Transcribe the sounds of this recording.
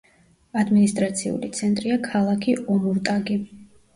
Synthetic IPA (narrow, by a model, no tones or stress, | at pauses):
ad̪minist̪ʼɾat̪sʰḭṵlḭt̪sʰɛnt̪ʼɾiakʰalˠakʰiʔɔmuɾt̪ʼaɡi